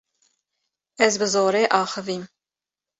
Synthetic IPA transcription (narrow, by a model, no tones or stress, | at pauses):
ɛzbɨzoːɾeːʔɑːxəviːm